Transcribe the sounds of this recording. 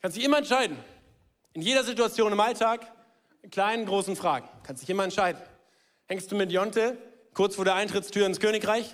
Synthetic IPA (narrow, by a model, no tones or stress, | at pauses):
kʰanstd̥ɪçʔɪmɐɛntʃaɪdn̩ | ʔɪnjeːɾɐzituat͡sjoːnɪmʔaltʰaːk | kʰl̥aɪnənɡʁoːsn̩fʁ̥a̰ːɡŋ̩kʰanstd̥ɪçʔɪmɐɛntʃaɪdn̩ | hɛŋstd̥uːmɪtjɔntə | kʰʊɐt͡sfoːɐɾeːɐʔaɪntʁ̥ɪt͡stʰyːɐɪnskʰøːnɪkʁaɪç